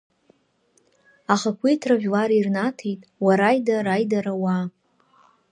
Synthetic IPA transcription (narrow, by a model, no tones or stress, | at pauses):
aχakʷʰijtʰraʒʲᶣlaɾirnatʰijtʼwaɾajdaɾajdaɾawa